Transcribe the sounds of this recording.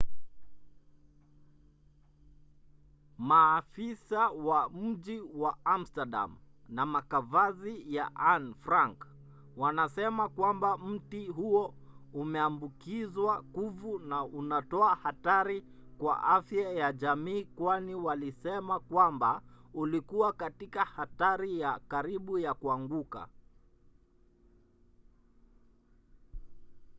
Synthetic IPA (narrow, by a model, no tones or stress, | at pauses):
maːfisawam̩ʄiwaam̩staɗa̰m | namakavazija̰ʔanfɾaŋk | wanasɛmakwambam̩tiɦuɔumɛambukizwakuvunaʔunatɔahataɾi | kwa̰ʔafjajaʄamiːkwaniwalisɛmakwambaulikuwakatikahataɾijakaɾiɓujakuaŋɡuka̰